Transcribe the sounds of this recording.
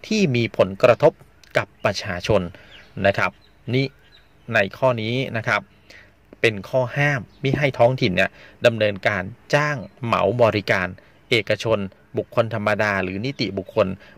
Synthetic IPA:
t̪ʰiː˥˩miː˧pʰo˩˦nkɾa˧t̪ʰo˦˥p̚ | ka˨˩pːɾa˧t͡ɕʰaː˧t͡ɕʰo˧nːa˦˥kʰɾa˦˥p̚ | niː˦˥˩ | na˧jkʰɔː˥˩niː˦˥na˦˥kʰa˦˥p̚ | pe˧nkʰɔː˥˩haː˥˩mːa˥˩jɦa˥˩jt̪ʰɔː˦˥ŋt̪ʰi˨˩nːi˦˥˩ɐda˧mnɤː˧nkaː˧nt͡ɕaː˥˩ŋma̰˩˦wbɔː˧ɾi˦˥kaː˧n | ʔeː˨˩kːa˧t͡ɕʰo˧n | bu˨˩kʰːo˧nt̪ʰa˧mːa˧daː˧ɾɯː˩˦ni˦˥t̪ḭ˨˩bu˨˩kʰːo˧n

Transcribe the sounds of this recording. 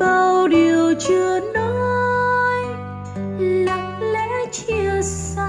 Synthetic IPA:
ɓə˧˩˧wɗi˨˩əwt͡ɕɨ˧ənɔ˧˦ | j | la˨˩k̚lɛ˧˥t͡ɕi˧əsa˧

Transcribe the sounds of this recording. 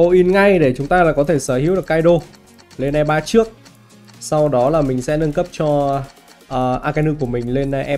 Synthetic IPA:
o˧ʔi˨˧nŋa˧jɗe˧˩t͡ɕʊ˨˦ŋ͡mt̪aː˧laː˨˩kɔ˨˦t̪ʰe˧˩səː˧˩hi˨˦wɨ˨˩əkːaː˧jɗo˧ | le˧nʔɛ˧mɓaː˧t͡ɕɨ˦˥ək̚ | sa˧wɗɔ˨˦laː˨˩mï˨˩ŋ̟sɛ̰˧˥nə˧nkə˦˥p̚t͡ɕɔ˧ | ʔəː˨˩ʔaː˧ka˧nɨ˧ku˧˩əmï˨˩ŋ̟le˧nʔʔɛ˧

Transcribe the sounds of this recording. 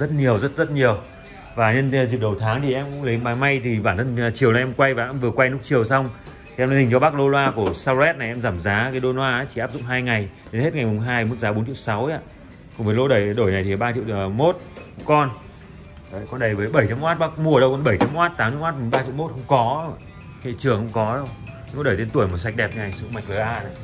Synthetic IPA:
zə˦˥t̚ɲi˨˩əwzə˦˥t̚zə˦˥t̚ɲi˨˩əw | vaː˨˩ɲə˧n˨zi˨˩k̚ɗə˨˩wt̪ʰaː˨˦ŋt̪ʰi˨˩ʔɛ˧mkʊ̰˧˥ŋlə˨˦jɓaː˨˧˦jma˧jt̪ʰi˨˩ɓaː˧˩nt̪ʰə˧n˨˩t͡ɕi˨˩əwlaː˨˩ʔɛ˧mkwa˧jvaː˨˩ʔɛ˧mvɨ˨˩əkwa˧jnʊ˦˥k̚t͡ɕi˨˩əwsa˧wŋ͡m | t̪ʰi˨ɛ˧mli˧hi˨˩ŋ̟t͡ɕɔ˧ɓaː˦˥k̚lo˧lwaː˧ku˧˩əsaː˧wlɛ˦˥t̚na˨˩jʔɛ˧mzaː˧˩mzaː˨˦kaː˨˦jɗo˧nwaː˧aː˨˦t͡ɕi̥˧˨aː˦˥p̚zʊ̰˧˨ŋ͡mɦaː˧jŋa˨˩jɗe˨˦nhe˦˥t̚ŋa˨˩jmʊ˨˩ŋ͡mɦaː˧jmo˨˦˥t̚zaː˨˦ɓo˨˦nt͡ɕḭ˧˨ŋ͡msa˨˦wa̰ː˧˨ | kʊ˨˩ŋ͡mvə˨˦jlo˧ɗə˧˩jɗo˧˩jna˨˩jt̪ʰi˨˩˨ɓaː˧t͡ɕḭ˧˨mo˦˥t̚hə˧˥ŋ͡mkɔ˧nː˨ | kɔ˧nɗə˨˩jvəː˨˦jɓə˧˩jt͡ɕa˧mʔwaː˦˥t̚ɓaː˦˥k̚mu˧ə˩ɗə˧wkɔ˧nɓə˧˩jt͡ɕa˧mʔwaː˦˥t̚t̪aː˨˦mt͡ɕḭ˧˨waː˦˥t̚mu˨˩ɓaː˧t͡ɕḭ˧˨wmo˦˥t̚hə˧wŋ͡mkɔ˨˦˧ | kḛ˧˨t͡ɕɨ˨˩əŋxə̰˧wŋ͡mkɔ˨˦ɗə˧w | o˧˥ɗəː˧˩t̪e˧nt̪u˧˩əjmo˨˩t̚sa˨˩k̟̚ɗɛ˨˩p̚n˧˨a˨˩jŋsɨ˧˨ŋma˨˩k̟̚və˨˩ɓaː˧na˨˩

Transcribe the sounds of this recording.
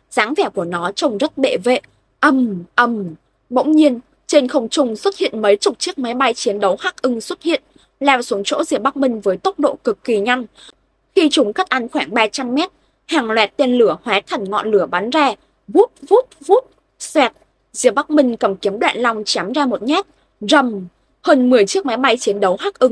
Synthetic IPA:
z̥aː˨˦ŋvɛ˧˩ku˧˩ənɔ˨˦t͡ɕə˧wŋ͡mzə˦˥t̚ɓḛ˧˨vḛ˧˨ | ʔə˧mʔə˧˩m | ɓə̰˧˥wŋ͡mɲi˧ən | t͡ɕe˧nxə˧wŋ͡mt͡ɕʊ˧ŋ͡mswə˦˥t̚hḭ˧˨ənmə˨˦jt͡ɕʊ˨˩k͡p̚t͡ɕɨ˦˥ək̚ma˨˦jɓa˧jt͡ɕi˨˦ənɗə˨˦whaː˦˥k̚ʔɨ˧ŋswə˦˥t̚hḭ˧˨ən | laː˧˩wsu˨˦əŋt͡ɕo̰˧˥zi˧˩əɓa˦˥k̚mï˧ŋ̟vəː˨˦jt̪ə˦˥wk͡p̚ɗo̰˧˨kɨ˨˩kːi˨˩ɲa˧jŋ | xi˧t͡ɕʊ˨˦ŋ͡mka˦˥k̚ʔa˨˧nxwaː˧˩ŋɓaː˧t͡ɕa˧mːɛ˦˥t̚ | haː˨˩ŋlwɛ˨˩t̚t̪e˧nlɨ˧˩əhwaː˨˦t̪ʰə˨˩ŋ̟ŋɔ̰˧˨nlɨ˧˩əɓa˨˦nzaː˧ | vu˦˥t̚vu˦˥t̚vu˦˥t̚ | swɛ˨˩t̚ | zi˧˩əɓa˦˥k̚mï˧ŋ̟kə˧˩mki˨˦əmɗwa̰ː˧˨nla˧wŋ͡mt͡ɕaː˨˦mzaː˧mo˨˩t̚ɲɛ˦˥t̚ | zə˨˩m | həː˧nmɨ˨˩əjt͡ɕi˦˥ək̚ma˨˦jɓa˧jt͡ɕi˨˦ənɗə˨˦wɦaː˦˥k̚ʔɨ˧ŋ

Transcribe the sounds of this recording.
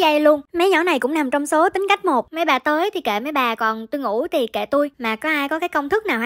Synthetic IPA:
zə˧jlu˧ənma˨˦jɲɔ̰˧˥˩na˨˩jkʊ̰˧˥ŋ͡mna˨˩mt͡ɕɔ˧wŋ͡mso˨˦t̪ï˨˦ŋ̟ka˦˥jk̟̚mo˨˩t̚mə˨˦jɓaː˨˩t̪əː˨˦jt̪ʰi˨˩kḛ˧˨˩mə˨˦jɓaː˨˩kɔ˨˩nt̪u˧jŋṵ˧˩t̪ʰi˨˩kḛ˧˨t̪u˧jmaː˨˩kɔ˨˦ʔaː˧jkɔ˨˦kaː˨˦jkə˧wŋ͡mt̪ʰɨ˦˥k̚naː˨˩wh

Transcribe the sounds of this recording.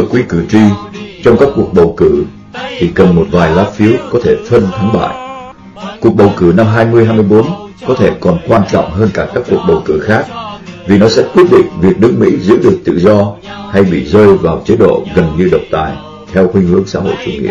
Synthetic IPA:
kwi˧kɨ˧˩t͡ɕwi˧t͡ɕɔ˧wŋ͡mkaː˦˥kːu˨˩ək̚ɓə˨˩wkɨ˧˩ | t̪ʰi˨˩kə˨˩nmo˨˩t̚vaː˨˩jlaː˨˦˥p̚fi˨˦əkɔ˨˦t̪ʰe˧˩fə˧nt̪ʰa˨˦ŋɓa̰ː˧˨j | ku˨˩ək̚ɓə˨˩wkɨ˧˩na˧mɦaː˧jmɨ˧əjɦaː˧jmɨ˧əjɓo˨˦n | kɔ˨˦t̪ʰe˧˩kɔ˨˩nkwaː˧nt͡ɕɔ̰˧˨wŋ͡mɦəː˧nkaː˧˩kaː˦˥kːu˨˩ək̚ɓə˨˩wkɨ˧˩xaː˦˥k̚vi˨˩nɔ˨˦sɛ̰˧˥kwi˦˥ət̚ɗḭ̈˧˨ŋ̟vi˨˩ək̚nɨ˦˥k̚mḭ˧˥zɨ̰˧˥ɗɨ˨˩ək̚t̪ɨ̰˧˨zɔ˧ha˧jɓḭ˧˨zəː˧jvaː˨˩wt͡ɕə˨˦ɗo̰˧˨ɣə˨˩nɲɨ˧ɗə˨˩wk͡p̚t̪a̰ː˧˨j | t̪ʰɛ˧wxwï˧ŋ̟hɨ̰˧˥əŋsa̰ː˧˥ɦo̰˧˨jt͡ɕu˧˩ŋḭ˧˨ə

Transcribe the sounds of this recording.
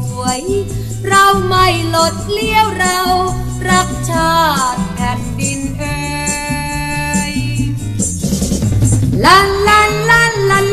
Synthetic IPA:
u˨˩˦əj | ɾa˧wma˥˩jlo˨˩t̪̚li˥˩əwɾa˧w | ɾa˦˥k̚t͡ɕʰaː˥˩t̪̚ka˧ndi˧nʔɤ | j | la˧˥˩nla˧˥˩nla˥˩nla˧

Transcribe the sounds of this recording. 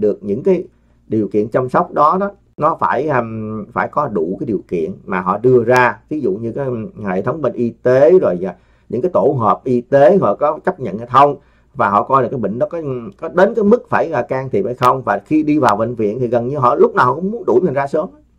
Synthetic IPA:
ɗɨ˨˩ək̚ɲɨ̰˧˥ŋkaː˨˦j | ɗi˨˩əwkḭ˧˨ənt͡ɕa˧msa˦˥wk͡p̚ɗɔ˨˦ɗɔ˨˦ | nɔ˨˦faː˧˩jfaː˧˩jkɔ˨˦ɗu˧˩kaː˨˦jɗi˨˩əwkḭ˧˨ənmaː˨˩ɦɔ̰˧˨ɗɨ˧əzaː˧vi˨˦zṵ˧˨ɲɨ˧kaː˨˦jhḛ˧˨t̪ʰə˨˦wŋ͡mɓe˧ŋʔi˧t̪e˨˦zo˨˩jaː˨˩ | ɲɨ̰˧˥ŋkaː˨˦jt̪o˧˩ɦəː˨˩p̚ʔi˧t̪e˨˦ɦɔ̰˧˨kɔ˨˦t͡ɕə˦˥p̚ɲə̰˧˨nhe˧˨˩t̪ʰə˧wŋ͡m | vaː˨˩ɦɔ̰˧˨kɔ˧jɗkaː˨˦ɓḭ˧˨ŋ̟nɔ˨˦kɔ˨˦kɔ˨˦ɗe˨˦nkaː˨˦jmɨ˦˥k̚faː˧˩jɣaː˧˩kaː˧ŋt̪ʰi˨˩a˧˨˩jxə˧wŋ͡mvaː˨˩xi˧ɗi˧vaː˨˩wvḭ˧˨ŋ̟vḭ˧˨ənt̪ʰi˨˩ɣə˨˩nɲɨ˧ɦɔ̰˧˨lʊ˦˥k͡p̚naː˨˩hɔ˧˨kʊ˧˥˦ŋ͡mmu˨˦ənɗu˧˩jmə˨˩nzaː˧səː˨˦m˨˦

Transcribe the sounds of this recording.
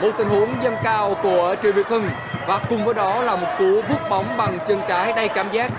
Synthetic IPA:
mo̰˨˩t̪ï˨˩ŋ̟hu˨˦əŋzə˧nkaː˧wku˧˩ət͡ɕɨ̰˧˩vḭ˨˩ət̚hɨ˧ŋ | vaː˨˩kʊ˨˩ŋ͡mvəː˨˦jɗɔ˨˦laː˨˩mo˨˩t̚ku˨˦vu˦˥p̚ɓa˨˦wŋ͡mɓa˨˩ŋt͡ɕɨ˨˧˩ŋt͡ɕaː˨˦jɗa˧jkaː˧˩mzaː˦˥k̚

